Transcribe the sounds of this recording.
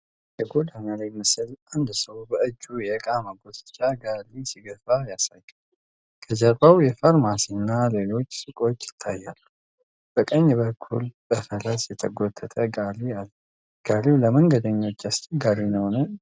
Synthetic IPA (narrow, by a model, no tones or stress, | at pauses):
jɛɡo̞d̪analajmɨsɨlʔand̪səwbəɨd͡ʒːujɛɨkʼaməɡo̞sɨ̥t͡ʃʼːaɡalisiɡəfajasajːal | kʰəd͡ʒəɾbawjɛfaɾmasinːale̞lo̞t͡ʃːsʼɨkʼo̞t͡ʃːɪ̥t̪ʰːajːalːə | b̥əkʼəɲːbəkʰːulb̥əfələsjɛt̪ʰəɡot̪ʰʼːət̪ʼəɡalialːə | ɡ̥aliwləməŋɡəd̪əɲːo̞t͡ʃːast͡ʃʼɛɡaɾinəhonə